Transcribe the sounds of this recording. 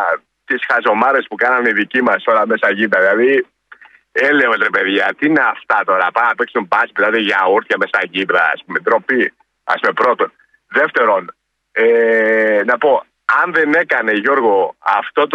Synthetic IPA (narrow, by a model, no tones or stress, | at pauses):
t̪isxɐzo̞mɐɾe̞spukɐnɐniðicimɐsolɐme̞sɐʝibɾɐðilɐði | eleozɾepe̞ðʝɐt̪iineaft̪ɐt̪o̞ɾɐpɐɐpeksumbɐspit̪ɐt̪eʝɐoɾt̪çɐmesɐʝibɾɐ̰ːspumed̪ɾo̞pi | ɐ̰spumepɾo̞t̪o̞n | ðe̞ft̪e̞ɾo̞n | enɐpo̞ | ɐnðe̞ne̞kɐne̞ʝo̞ɾɣo̞ɐft̪o̞t̪